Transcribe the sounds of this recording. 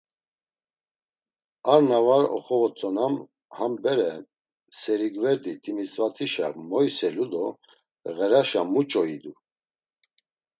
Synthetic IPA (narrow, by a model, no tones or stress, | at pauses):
aɾnavaɾɔ̰χɔvɔt͡sʼɔnam | hambɛɾɛ | sɛɾiɡvɛɾd̪it̪ʰʼimisʼvat͡sʰʼiʃa̰mɔjsɛlud̪ɔ | ɣɛɾaʃamut͡ʃʼɔid̪u